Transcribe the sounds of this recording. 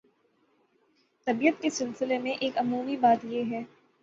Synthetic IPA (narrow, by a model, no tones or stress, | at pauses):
t̪ɐbijət̪kesɪlsɪlemẽʔeːkɐmuːmibaːt̪jeɦɛː